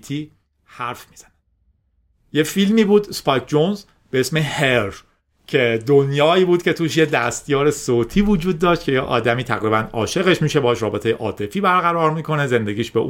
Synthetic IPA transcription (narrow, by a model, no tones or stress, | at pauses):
t̪ʰiː | hæɾfmiːz̥æne | jefilmiːbuːd̪spɒjt̪̚d͡ʒonz | beesmeheɾ | cʰe̞d̪onjɒːiːbuːd̪cʰe̞t̪ʰuːʃjed̪æst̪jɒːɾesoːt̪ʰiːvod͡ʒuːd̪̚ːɒːʃt̪̚cʰe̞jeʔɒ̰ːd̪æmiːt̪ʰæɣɾiːbænɒːʃe̞ɣe̞ʃmiːʃebɒːʃɾɒːbe̞t̪ejeʔɒːt̪ʰe̞fiːbæɾɣæɾɒːɾmiːkʰo̞ne̞ze̞nd̪e̞ɟʲiːʃbeʔuː